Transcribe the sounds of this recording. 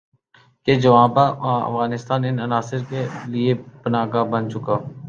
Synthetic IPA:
ked͡ʒəʋãːpãə̰fɣaːnɪst̪aːnɪnənaːsɪɾkeliepənaːɡabə̃nt͡ʃʊkaː

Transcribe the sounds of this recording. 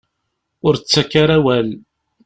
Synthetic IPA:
ʊɾt͡sːakːaɾawæl

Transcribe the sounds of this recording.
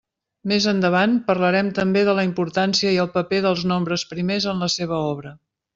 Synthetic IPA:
mezənd̪əβ̞anpərləɾɛmt̪əmbeðələimpuɾt̪ansiəiəlˠpəpeðəlˠznombɾəspɾimezənləseβ̞əɔβ̞ɾə

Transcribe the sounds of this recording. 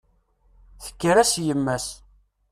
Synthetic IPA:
θə̥kːəɾæsjəmːæs

